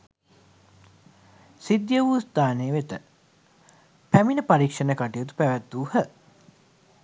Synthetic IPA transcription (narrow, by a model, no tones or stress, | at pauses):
sid̪jəʋust̪aːneʋet̪ə | pæminəpaɾikʂənəkaʈijut̪u̥pæʋæt̪ːuːhə